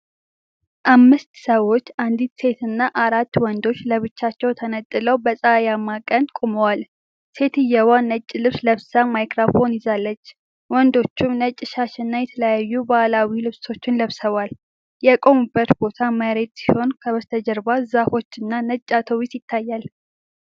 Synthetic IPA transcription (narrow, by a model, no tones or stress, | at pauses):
ʔamːɨst̪səwo̞t͡ʃːand̪it̪se̞t̪ɨnːaʔaɾat̪ːwɔnd̪o̞t͡ʃːləβɨt͡ʃːat͡ʃːɛwt̪ʰənət̪ʼːɨləwbəsʼəjamːakʼənd̪kʼoməwal | se̞t̪ɨjːɛwanːət͡ʃʼːɪlɨβsləβsamajkɾafo̞nɪzalːət͡ʃː | wɔnd̪o̞t͡ʃːumnət͡ʃʼːɪʃaʃɨnːajɛt̪ʰələjajːubaʔlawilɨβso̞t͡ʃːɪnləβsəβal | jɛkʼo̞mɨbːət̪bo̞t̪ʰaməɾe̞t̪ʼsi̥ho̞nkʰəβəst̪ʰəd͡ʒəɾbazafo̞t͡ʃːɨnːanət͡ʃʼːat̪ʰowisjɪt̪ʰːajːal